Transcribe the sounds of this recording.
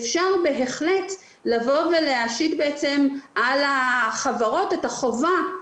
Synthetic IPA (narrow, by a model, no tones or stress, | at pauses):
fʃaʁbe̞ɦeχlet | lavo̞ve̞leaʃitbeet͡se̞mʔalaχavaʁo̞tetaχo̞va